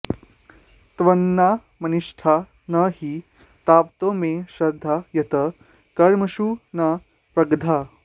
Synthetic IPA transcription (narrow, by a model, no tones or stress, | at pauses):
t̪ʋɐnːaː | mɐniʂʈʰa | nɐɦi | t̪aːpt̪oːmẽʃɾɐd̪ʱːajɐt̪ɐ | kɐɾmɐʃuna | pɾɐɡd̪ʱa